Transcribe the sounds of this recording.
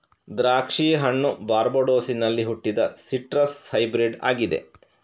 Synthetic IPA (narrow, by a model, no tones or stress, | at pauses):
d̪ɾaːkʂiːjɐɦɐɳːubaːɾboɖoːsinɐlːiɦuʈːid̪ɐsiʈɾɐshɐjbɾiɖa̰ːɡid̪e̞̰